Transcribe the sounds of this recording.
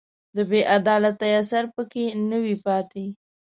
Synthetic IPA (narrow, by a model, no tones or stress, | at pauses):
d̪əbeʔad̪ɑlat̪ːajasaɾpəkenəwipɑt̪e